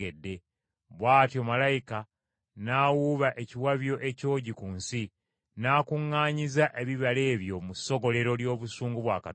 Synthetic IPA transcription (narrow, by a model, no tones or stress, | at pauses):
edːe̞ | βwaːtjo̞malajika | naːwuβaʔe̞ciwaβjo̞ʔe̞co̞ːɟikuːnsi | naːkuŋːaːɲizaʔe̞βiβale̞ːβjo̞muso̞ɡo̞le̞ɾo̞ljo̞ːβusuːŋɡuβwaːka